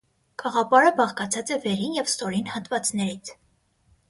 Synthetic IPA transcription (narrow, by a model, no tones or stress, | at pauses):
kɑʁɑpɑɾəbɑʁkɑt͡sʰɑt͡sɛvɛɾinjɛvst̪ɔɾinhɑt̪vɑt͡snɛɾit͡sʰ